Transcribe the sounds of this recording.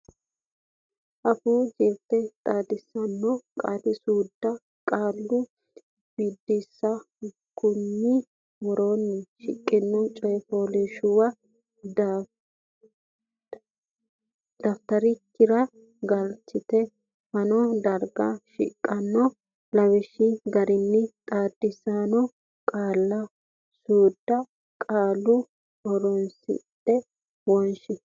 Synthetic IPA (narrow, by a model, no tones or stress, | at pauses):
ʔɐfuːd͡ʒeːɾt̪ːɛt̪ʼaːd̪ɪsːɐnːɔkʼaːt̪ɪsuːd̪ːɐ | kʼaːlːʊ | b̥id̪ːɪsːɐ | kʊnːɪ | wɔɾonːɛʃɪkʼːɪnːɔt͡ʃʼɔjɛfoːlɛʃʊwɐ | d̪̥ɐft̪ɐɾɪkːɪɾɐ | ɡɐlt͡ʃːɪt̪ɛ | fɐnɔd̪ɐɾɡɐʃɪ̰kʼːɐnːɔ | lɐwɪʃɪɡɐɾɪnːɪt̪ʼaːd̪ːɪsaːnɔ | kʼaːlːɐ | suːd̪ːɐ | kʼaːlːʊ | ɔɾɔnsɪ̰tʼːɛ | wɔnʃɪ